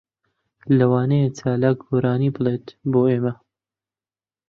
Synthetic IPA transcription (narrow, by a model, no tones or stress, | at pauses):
lɐwaːnɐjet͡ʃaːlaːk̚ɡoːɾaːniːbɨlˠeːt̪boːeːmɐ